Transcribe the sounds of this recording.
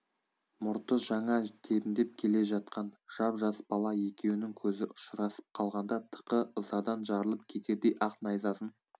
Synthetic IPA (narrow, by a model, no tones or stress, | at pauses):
mʊɾt̪əʒɑɴɑt̪ʰe̞pɪnd̪e̞p̚kʲʰe̞le̞ʒɑt̪̚qɑnʒ̥ɑpʒɑsə̥bɑlˠɑje̞kʲe̞wɪnɪŋkʲʰɵzɪʔʊʃɾɑsə̥p̚qʰɑlˠʁɑnd̪ɑt̪ʰə̥qəəzɑd̪ɑnʒɑɾəlˠəp̚kʲʰe̞t̪e̞d̪e̞jʔɑqnɑjzɑsən